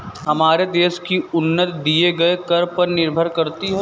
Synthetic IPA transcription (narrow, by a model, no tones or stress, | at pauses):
ɦɐmaːɾed̪eːʃkiʊnːət̪d̪ieɡɐekɐɾpɐɾnɪɾbʱəɾkɐɾt̪iɦɛ